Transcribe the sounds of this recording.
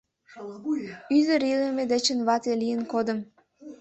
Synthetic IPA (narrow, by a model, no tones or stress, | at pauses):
yzə̆ɾilˠə̆med̪et͡ɕə̆nβɑt̪elijənkod̪ə̆m